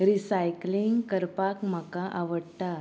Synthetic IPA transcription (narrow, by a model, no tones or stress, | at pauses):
ɾisajkliŋɡkəɾpakm̤əkaʔaʋəɽt̪a